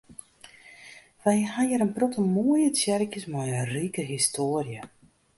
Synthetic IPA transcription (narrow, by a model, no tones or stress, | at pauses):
ʋɛjhajəɾənprɔtʰəmoəjət͡sjɛrkjəsmajəriːkəɦistʰoːrjə